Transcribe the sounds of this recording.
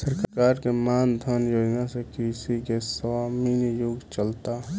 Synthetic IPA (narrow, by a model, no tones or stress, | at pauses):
səɾkkaɾkemand̪ʱənjoːd͡ʒnasekɾisikesaminjʊɡt͡ʃəlt̪a